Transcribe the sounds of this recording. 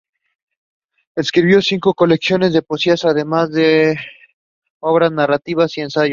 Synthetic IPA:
eskɾiβjo̞siŋko̞ko̞le̞ksjo̞ne̞zðe̞po̞siasaðe̞mazðe̞ | o̞βɾaznarat̪iβasie̞nsaʝo

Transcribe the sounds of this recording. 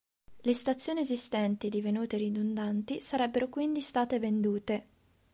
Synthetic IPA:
lest̪at̪sːjoːniezist̪ɛnt̪id̪ivenuːt̪eɾid̪und̪ant̪isaɾɛbːeɾokwind̪ist̪aːt̪evend̪uːt̪e

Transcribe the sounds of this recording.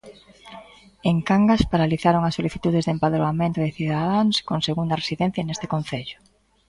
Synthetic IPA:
eŋkaŋɡaspaɾaliθaɾoŋɐsːoliθit̪uð̞ɪzðempaðɾoamẽnt̪ʊðɪθiðaðaŋskoŋseɣund̪ɐresiðen̟θjɐnest̪ɪ̥kõn̟θeʎʊ̥

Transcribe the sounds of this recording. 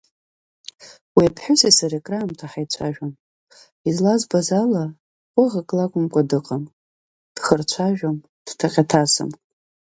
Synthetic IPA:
wiapʰħʊsisaɾekʼraːmtʰaħajt͡ɕʷʰaʒᶣam | izlazbazala | qʷʼʊʁakʼlakʷʼʊmkʷʼadɨqʼam | d̥χərt͡ɕʷʰaʒᶣam | d̥tʰaqʲʼatʰasɨ̰m

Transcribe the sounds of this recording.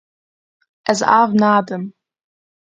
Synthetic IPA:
ɛza̰vnaːdəm

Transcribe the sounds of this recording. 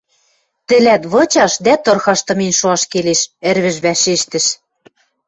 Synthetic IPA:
t̪ɘ̆læt̪βɤ̆t͡ɕɑʃd̪æt̪ɤ̆rxɑʃt̪ɤ̆menʲʃoɑʃkeleʃɘ̆ɾβɘ̆ʒβæʃeʃt̪ɘ̆ʃ

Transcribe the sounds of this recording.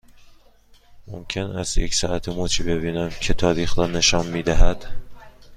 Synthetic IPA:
momcʰenæzjecsɒːʔæt̪ʰemot͡ʃʰiːbe̞biːnæmcʰe̞t̪ʰɒːɾiːxɾɒːne̞ʃɒnmiːd̪æɦæd̪̥

